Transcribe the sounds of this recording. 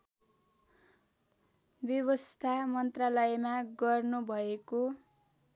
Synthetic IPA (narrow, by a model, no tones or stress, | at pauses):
bjʌβʌst̪ʰamʌnt̪ralʌjmaɡʌrnubʱʌeko